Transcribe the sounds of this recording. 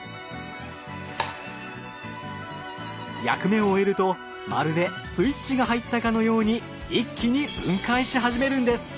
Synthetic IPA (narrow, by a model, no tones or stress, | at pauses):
ja̰kɯ̟me̞ooe̞ɾɯ̟t̪o̞ | ma̰ɾɯ̟d̪e̞sɨit͡ɕːiɡaɦait̪ːakano̞jo̞ːɲ̟i | ikʲʰːiɲ̟ib̥ɯ̃ŋkaiɕt̪iɦaʑime̞ɾɯ̟̃nd̪e̞sɨ̥